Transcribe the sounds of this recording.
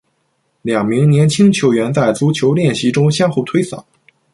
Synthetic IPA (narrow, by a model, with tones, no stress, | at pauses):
ljɑ˨˩ŋmi˧˥ŋnjɛ˧˥nt͡ɕʰi˥ŋt͡ɕʰjo˧˥ʊɥɛ˧˥nt͡sa˥˩ɪt͡su˧˥t͡ɕʰjo˧˥ʊljɛ˥˩nɕi˧˥ʈ͡ʂʊ˥ŋɕjɑ˥ŋxu˥˩t̪ʰwe˥ɪsɑ̰˨˩˦